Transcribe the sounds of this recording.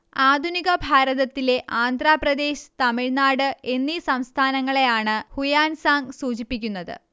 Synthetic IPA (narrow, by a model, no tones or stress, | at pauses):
aːd̪ʱuniɣɐbʱaːɾɐðɐt̪ːile̞ʔaːnd̪ʱraːprɐd̪e̞ːɕɨ̥t̪ɐmiɻnaːɽɨe̞nːisɐmst̪ʰaːnɐŋːɐɭe̞jaːɳɨhujaːnsaːŋɡsuːt͡ɕipːikʲːunːɐðɨ̰